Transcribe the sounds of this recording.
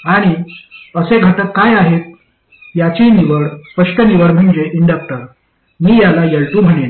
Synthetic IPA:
aɽ̃iəseɡʱət̪ət̪̚kajaɦet̪̚ | jat͡ɕiniʋəɽspəʂʈəniʋəɽm̤əɳd͡ʑeʔiɳɖak̚ʈəɾ | miːjalajeɭʈum̤əɽ̃ena

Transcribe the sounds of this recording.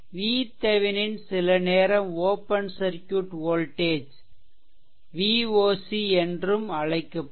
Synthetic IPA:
ʋiːt̪ɐʋɪnɪnsɪlɐneːɾɐmoːpɐnsɐɾkjuʈoːlʈeːd͡ʒ | ʋiːoːsiɛndrɯmɐɻɐɪkːɐ

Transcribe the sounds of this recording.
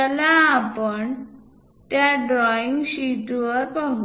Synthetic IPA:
əlaːpəɳ | t̪jaɖɾɔiŋɡɕiʈʋəɾpaɦu

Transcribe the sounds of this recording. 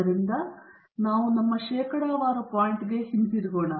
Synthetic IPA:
ɐɾind̪ɐ | naːʋunɐmːɐʃeːkɐɽaːʋaːɾɐpaːjɳʈɡe̞hint̪iɾiɡoːɳɐ

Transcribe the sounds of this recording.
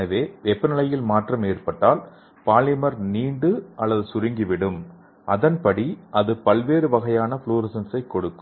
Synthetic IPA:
ɐʋeːʋɛpːɐnɪlɐjɪlmaːʈrɐmeːrpɐʈːaːl | paːlɪmɐɾniːɳɖɯʔɐlːɐðɯsʊɾɪŋɡɪʋɪɽɯm | ʔɐðɐnpɐɽiʔɐðɯpɐlʋeːɾɯʋɐɣɐjaːnɐfɭuːɾɪsɐnsɐɪkːɔɽɯkː

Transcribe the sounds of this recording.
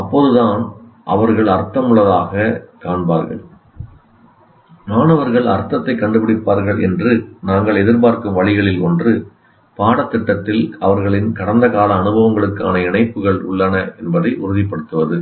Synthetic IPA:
ɐpːoːðɯðaːnʔɐ̰ʋɐɾɣɐɭɐɾt̪ːɐmʊɭːɐðaːɣɐkaːɳbaːɾɣɐ̰ɭ | naːnɐʋɐɾɣɐɭɐ̰ɾt̪ːɐt̪ːɐɪkːɐɳɖɯpɪɽɪpːaːɾɣɐɭʔɛ̰ndrɯnaːŋɡɐɭɛðɪɾpaːɾkɯmʋɐɭɪɣɐɭɪlɔndrɯ | paːɽɐt̪ːɪʈːɐt̪ːɪlɐʋɐɾɣɐɭɪnkɐɽɐnd̪ɐɣaːlɐːnɯbɐʋɐŋɡɐɭɯkːaːnɐɪɳɐɪpːɯɣɐɭʊ̰ɭːɐnɐʔɛnbɐðɐɪʔʊɾɯðɪpːɐɽɯt̪ːɯʋɐðɯ

